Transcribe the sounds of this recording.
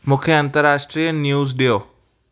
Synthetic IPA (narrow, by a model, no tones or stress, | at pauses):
mũːkʰeɐ̃nt̪əɾaːʃʈɾijənjuːzɗijoː